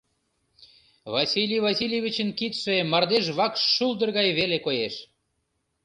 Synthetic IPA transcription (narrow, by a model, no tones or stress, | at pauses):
βɑsʲilʲijvɑsʲilʲevʲit͡ɕənkit̪ʃemɑrd̪eʃ̬βɑkʃːuld̪ərɣɑjβelekojeʃ